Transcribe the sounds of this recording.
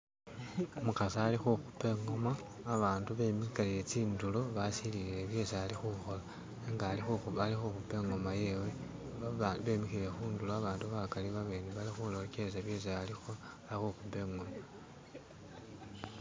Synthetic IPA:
mukasaːlixuxupe̞ŋomaː | βaːnduβe̞mikalile̞t͡siːndulo̞βasiliileβje̞saalixuxo̞la | eŋɡaːlixuxualixuxupe̞ŋomaje̞we̞ | βe̞ːmixile̞xuːnduloaβaːnduβakaliβaβe̞ːniβalixulo̞kesaβje̞s̬aalixo | aixuxupe̞ŋoma

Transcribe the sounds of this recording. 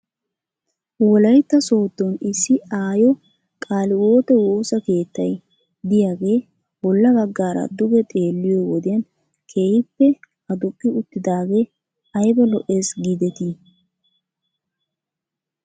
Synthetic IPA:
wɔlɐjt̪ːɐso̞ːd̪ːɔnɪsːɪaːjɔ | kʼaːlɪwoːt̪ɛwo̞ːsɐke̞ːt̪ːɐj | d̪ɪjaːɡe̞ː | bɔlːɐbɐɡːaːɾɐ̰d̪ʊɡɛt̪ʼe̞ːlːɪjɔwɔd̪ɪjɐn | kʰeːhɪpːɛ | ɐd̪ʊkʼːɪʊt̪ːɪd̪aːɡe̞ | ɐjbɛlɔʔe̞ːsɡiːd̪ɛt̪i

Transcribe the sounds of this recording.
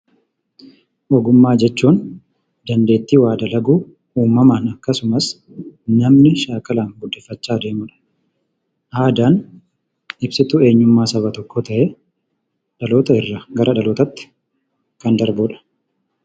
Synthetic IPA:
ʔɔɡʊmːaːd͡ʒɛt͡ʃːuːn | d̪ɐnd̪e̞ːt̪ːiːwaːd̪ɐlɐɡuː | uːmːɐmaːnɐkːɐsʊmɐs | nɐmnɪʃaːkɐlaːnɡʊd̪ːɛfːɐt͡ʃːaːd̪e̞ːmʊᶑɐ̥ | ʔhaːd̪aːn | ɪbsɪt̪ʊe̞ːɲːʊmmːaːsɐβɐt̪ɔkːot̪ɐʔɛ | ᶑɐlo̞ːt̪ɐɪrːɐɡɐɾʔɐᶑɐloːt̪ɐt̪ːɪ̥ | kɐnd̪ɐɾbʊᶑɐ̥

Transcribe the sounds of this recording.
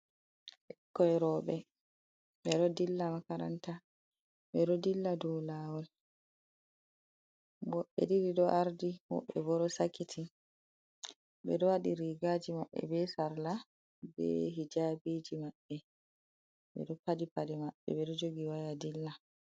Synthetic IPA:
ʔɛkːɔɛɾɔːɓɛ | ɓɛɗɔdilːamakaɾa̰nta | ɓɛɾɔdilːadɔlawɔl | ɡɔɓɛ̰diɾiɗɔʔaɾdihɔ̰ɓɛ̰bɔɾɔsakːitʰi | ɓɛ̰ɗɔwaɗiɾiɡaːd͡ʒimaɓːɛ̰bɛsaɾla | bɛ̰ɦid͡ʒabid͡ʒimaɓːɛ | ɓɛ̰ɗɔpadipadɛmaɓːɛ̰ɓɛɗɔd͡ʒoɡiwajadilːa

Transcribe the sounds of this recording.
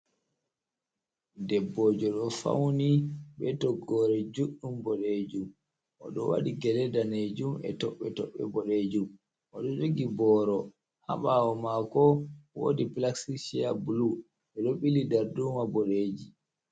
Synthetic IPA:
dɛbːɔːd͡ʒɔɗɔfa̰wniɓɛtɔɡːɔɾɛd͡ʒuɗːumbɔɗed͡ʒum | ʔɔ̰ɗɔwa̰ɗiɡɛlɛdaned͡ʒumɛ̰tɔɓːɛtɔɓːɛ̰bɔɗed͡ʒum | ʔɔɗɔd͡ʒoɡibɔːɾɔ | ha̰ɓawɔmakɔwo̰diplaksiʃiabulu | ɓɛɗɔɓilidaɾdumabɔɗed͡ʒi

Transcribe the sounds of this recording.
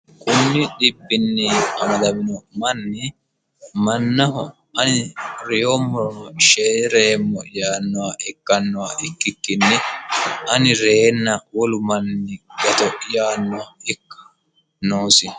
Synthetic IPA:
kʼʊnːɪɗɪbːɪnːiɐmɐd̪ɐmɪnɔmɐnːɪ | mɐnːɐɦɔ | ɐnɪɾɛjomːɔɾɔnɔʃeːɾeːmːɔjaːnːɔwaʔɛkːɐnːɔwaʔɪkːɪkːɪnːɪ | ɐnɪɾeːnːɐwɔlʊmɐnːɪɡɐt̪ɔjaːnːɔwaɪkːɐ̥ | noːsɪ

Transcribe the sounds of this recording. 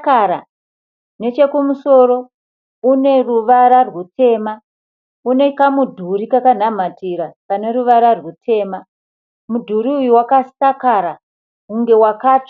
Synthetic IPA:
kaɾa̰ | ne̞t͡ʃe̞kumuso̞ɾo̞ | une̞ruʋaɾarwutʰe̞ːma | une̞kamudʱuɾikakan̤am̤atiɾapane̞ruʋaɾarwutʰe̞ːma | mudʱuɾiujuwakastakaɾa | uŋɡe̞wakaːt

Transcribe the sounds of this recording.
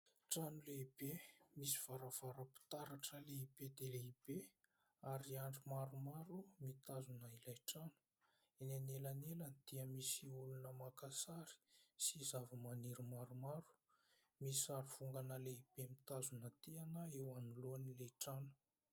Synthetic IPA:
ʈ͡ʂanuleib̥emisi̥v̥aɾəv̥aɾəpi̥t̪aɾaʈ͡ʂəleib̥ed̪eleib̥e | aɾiaɳɖ͡ʐimaɾumaɾumit̪azunailajʈ͡ʂanu̥ | enanelanelənd̪̥iəmisiulunəmakasaɾi̥sizavamaniɾumaɾumaɾu̥ | misaɾuv̥uŋɡanəleib̥emit̪azunət̪eanəewanuloanileʈ͡ʂanu̥

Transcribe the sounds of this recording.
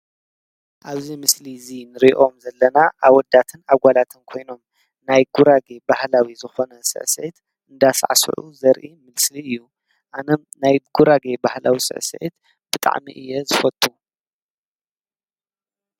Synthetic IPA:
ʔaβzimɨslizinɨɾiʔo̞mzɐlːɐnaʔaβwɔd̪ːat̪ʰɨnaɡʷalat̪ʰɨnkʰo̞jno̞m | najɡuɾaɡe̞bahlawizɨxo̞nɐsɨ̰ʕsḛt̪ | ɨnd̪asa̰ʕa̰sʕṵzɐɾʔimɨlsliɨjːu | ʔanɐmnajɡ̥uɾaɡebahlawisɨ̰ʕsḛt̪ | b̥ɨt̪ʼa̰ʕmḭʔɨjːɛzɨfɐt̪ʼːu

